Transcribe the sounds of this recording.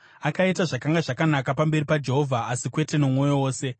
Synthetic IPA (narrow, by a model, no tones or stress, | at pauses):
akaitaʐakaŋɡaʐakanakapambe̞ɾipad͡ʒe̞ɦo̞vʱaːsikwe̞te̞nomo̞jo̞woːse̞